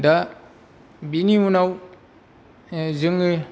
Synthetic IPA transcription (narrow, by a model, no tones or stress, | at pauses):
da | biniwunaw | ziŋɡi